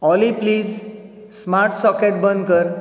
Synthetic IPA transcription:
ɔlipliːz | smaɾʈsɔkeʈ̚bənd̪kəɾ

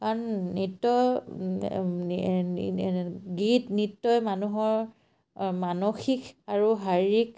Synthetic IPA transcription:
kaɹnnitːɔ | ɡitnitːɔjmanuɦɔɹ | manoxikaɹuɦaɹik

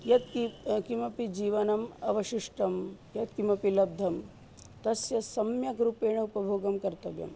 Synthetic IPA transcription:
jɐt̪kikimɐpid͡ʒiːʋɐnɐmɐʋɐʃiʂʈɐmjɐt̪̚kimɐpilɐb̚d̪ʱɐm | t̪ɐsjɐsɐmjɐɡɾupeːɳɐupɐbʱoːɡɐmkɐɾt̪ɐʋjɐ̰m

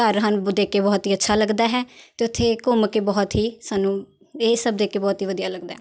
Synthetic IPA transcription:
kəɾɦənd̪eːkeːbɔːt̪iːətːʃʰaːləɡd̪aːɦɛːt̪eːʊt̪ʰːeːkʊmkebɔːt̪ɦiːsaːnũː | eːsəb̚d̪eːkeːbɔːt̪ɦiːʋəd̪ijaːləɡd̪a̰ːɦɛ

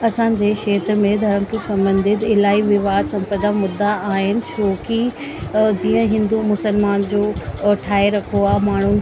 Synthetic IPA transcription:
ɐsãːɲd͡ʑeːʃeːt̪ɾəmẽd̪ʱɐɾəmkʰesɐ̃mbə̃nd̪ʱɪd̪ɪlaːiʋɪʋaːd̪sɐ̃mpəd̪amʊd̪ːaaːɦɪnɪ̆t͡ɕʰoːki | d͡ʑiːə̃ɦɪ̃nd̪umʊsəlmaːnd͡ʑoːʈʰaːeɾɐkʰoaːmaːɳ̤u

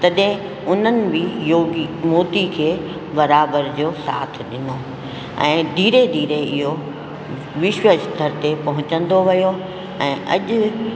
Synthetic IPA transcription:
t̪ɐɗɦɪ̃ | ʊn̤ənɪ̆bɪjoːɡimoːt̪ikʰeː | bɐɾaːbəɾd͡ʑoːsa̰ːt̪ʰɗɪno | ɛ̰̃ːd̪ʱiːɾed̪ʱiːɾeɪɦo | ʋɪʃwəʃd̪ʱɐɾt̪epɐɦʊ̃t͡ɕə̃nd̪oʋɐjo | ɛ̃ːʔɐ̰ʄʊ̆

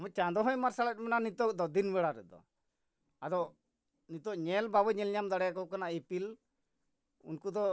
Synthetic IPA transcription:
mɔ̃t͡ʃad̪ɔɦɔjmaɾsalat̚mɛnanit̪ɔkd̪ɔd̪inbɛɽaɾɛ̰d̪ɔ̰ | ad̪ɔʔ | nit̪ɔʔɲɛlbabɔɲɛlɲamd̪aɽɛjakɔwkanaepil | ṵnkud̪ɔ

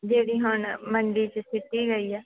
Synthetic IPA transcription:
d͡ʒeːɽiːɦʊɳməɳɖiːt͡ʃsɪʈːiːɡəiːɛː

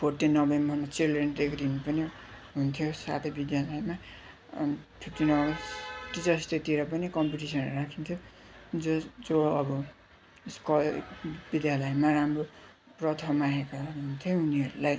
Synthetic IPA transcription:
pʰorʈenʌbembʱʌnat͡sireɳʈd̪ekʰd̪inupʌni | ɦunt̪ʰjosa̰t̪ʰʌbid̪jalʌema | ʈʰiʈːinʌʈid͡zʌst̪et̪iɾʌpʌnikʌmpiʈisʌnɾakʰint̪ʰjo | d͡zod͡zoɽʌbʌ | skʌbid̪jalʌjmaramro | prʌt̪ʰʌmaɦekaɦunt̪ʰjouniɦʌɾulaj

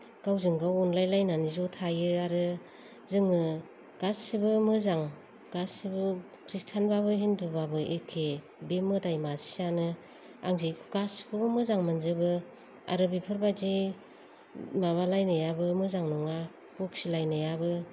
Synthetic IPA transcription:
ɡ̥awzɯŋɡawɔnlajlajnanizotʰajɯaɾɯ | zɯŋɯ | ɡ̥asibɯmɯzaŋ | ɡ̥asibɯ | kʰɾistʰanbaβɯɦindubabɯʔekʰe | bemɯdajmasi̥sanɯ | a̰ŋziɡasi̥bʰɯɡɯmɯzaŋmanzɯbɯ | a̰ɾɯbipʰɯɾbad͡ʒi | maβalajnɯjabɯmɯzaŋnɔŋa | puk̚silajnajabɯ

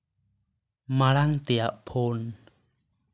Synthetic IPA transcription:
malaŋt̪iaʔpʰoːn

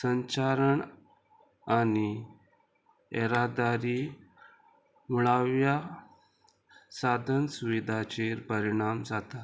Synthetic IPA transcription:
səɲt͡ɕaɾəɳ | ani | eɾad̪aɾi | muɭaʋja | sad̪ʱənsuʋid̪ʱat͡ɕeɾpəɾiɳ̃amd͡zat̪at̪

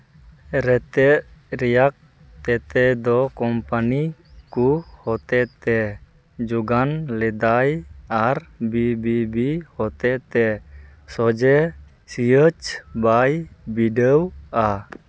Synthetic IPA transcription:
ɾɛt̪ɛɾiak̚ | t̪ɛt̪ɛd̪ɔkɔmpanikuhɔt̪ɛt̪ɛ | d͡ʒuɡanlɛd̪ajarbibibihɔt̪ɛt̪ɛsɔd͡ʒɛ | siət͡ʃbajbidəwa

